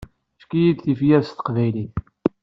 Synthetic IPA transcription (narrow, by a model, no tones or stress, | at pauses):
fkijid̪θifjæɾst̪ə̥qvæjliθ